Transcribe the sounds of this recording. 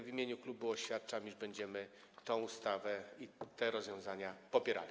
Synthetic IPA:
vʲimʲjeɲuklubuɔɕfʲjat̪t͡ʂamiʐbɛɲd͡ʑɛmɘ | t̪ɔ̃w̃ust̪avɛit̪ɛɾɔzvʲjɔ̃w̃zaɲapɔpʲjɛɾa̰lʲi

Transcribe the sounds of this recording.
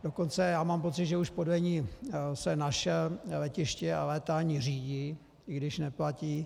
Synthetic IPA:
d̥o̞ko̞nt͡sɛjaːmaːmpo̞t͡sɪd̪ʒɛuʃpodvɛɲiːsɛnaʃɛllɛcɪʃcɛalɛːt̪aaɲɪr̝iːɟi | ɪɡdɪʃnɛplaciː

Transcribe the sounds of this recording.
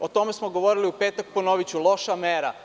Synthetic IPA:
ot̪o̞me̞smoɡo̞ʋoɾiliupeːt̪ak̚ponoʋit͡ɕulˠo̞ʃameɾa

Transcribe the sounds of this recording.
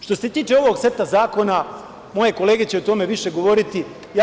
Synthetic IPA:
ʃt̪o̞se̞t̪iːt͡ʃe̞o̞ʋoɡse̞t̪azaːko̞na | mo̞je̞ko̞le̞ːɡe̞t͡ɕeot̪o̞me̞ʋiʃe̞ɡo̞ʋo̞ɾit̪i | ja

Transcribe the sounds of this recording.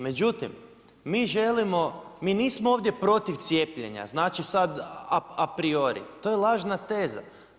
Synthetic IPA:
me̞d͡ʒut̪imː | iːʒe̞limo̞miniːsmooːʋd̪ʲje̞pɾo̞t̪iʋt̪sjepʎḛɲa̰znaːt͡ʃisad̪aapɾio̞ɾḭt̪o̞jelˠaːʒnat̪eːza̰

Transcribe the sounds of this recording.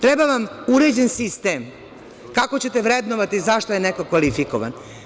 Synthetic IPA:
t̪ɾebaʋamuɾe̞d͡ʑensist̪em | kakot͡ɕet̪eʋɾe̞d̪noʋat̪izaʃt̪ojenekokʋalifikoʋa̰n

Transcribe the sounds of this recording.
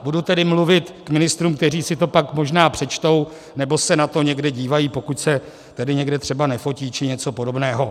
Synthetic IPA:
budut̪ɛdɪmluvɪt̪kmɪnɪst̪ɾuːmk̚t̪ɛriːsɪt̪o̞pakmo̞ʒnaːpr̥ɛt͡ʃt̪o̞w | nɛbo̞sɛnat̪o̞ɲɛɡdɛɟiːvajiːpo̞kucsɛ | t̪ɛdɪɲɛɡdɛt̪r̝̥ɛbanɛfo̞ciːt͡ʃɪɲɛt͡so̞po̞do̞bnɛːɦo̞

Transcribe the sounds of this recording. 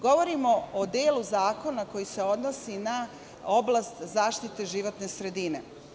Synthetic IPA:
ɡo̞ʋo̞ɾimo̞od̪eːluzaːko̞nako̞jise̞o̞d̪nosina | o̞blast̪zaːʃt̪it̪e̞ʒiʋo̞t̪ne̞sɾe̞d̪ine̞

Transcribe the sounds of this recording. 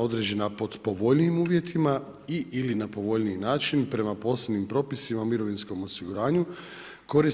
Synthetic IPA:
o̞d̪ɾed͡ʑe̞napo̞d̪po̞ʋo̞ʎniːmuːʋje̞t̪ʰima | iʔilinapo̞ʋo̞ʎniinaːt͡ʃinpɾe̞mapo̞ːsebnimpɾo̞ːpisimaumiɾo̞ʋinsko̞mo̞siɡuɾaːɲu | ko̞ɾis

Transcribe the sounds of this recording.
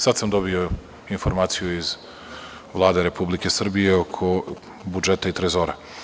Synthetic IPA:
sad̪samd̪o̞bio̞ | infoɾmaːt̪sijuiz | ʋlˠaːd̪e̞ɾe̞publike̞sr̩bije̞okʰo̞ | bud͡ʒe̞t̪ait̪ɾezo̞ːɾa

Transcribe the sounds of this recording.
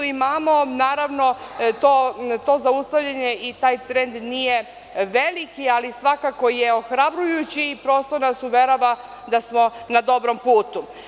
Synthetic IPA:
imaːmo̞naːɾaʋno̞t̪ot̪o̞ːzaust̪aʋʎeɲe̞it̪aːjt̪ɾend̪nije | ʋe̞likialisʋakako̞jeoxɾabɾujut͡ɕiːpɾo̞st̪onasuʋeɾoʋa | d̪asmo̞nad̪o̞bɾompuːt̪u

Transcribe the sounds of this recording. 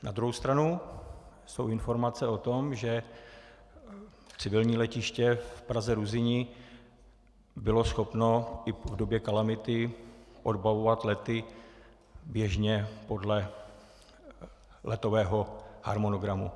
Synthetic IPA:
na̰d̪ɾuɦowst̪ɾanu | sowɪnfo̞ɾmat͡sɛot̪o̞mʒɛ | t͡sɪvɪlɲiːlɛcɪʃcɛfpɾazɛɾuzɪɲɪ | bɪlo̞sxo̞pno̞ɪvdobjɛkalamɪt̪ɪʔodbavovat̪lɛt̪ɪ | bjɛʒɲɛpo̞dlɛ | lʔɛt̪o̞vɛːɦoha̰ɾmo̞noɡɾamu

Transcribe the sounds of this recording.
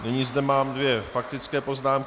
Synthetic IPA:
nɛɲizdɛmaːmdvjɛfak̚t̪ɪt͡skɛːpo̞znaːmk

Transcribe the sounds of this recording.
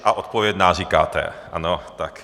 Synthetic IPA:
ʔaʔot̪povjɛd̪naːriːkaːt̪ɛ̰ʔa̰not̪ak

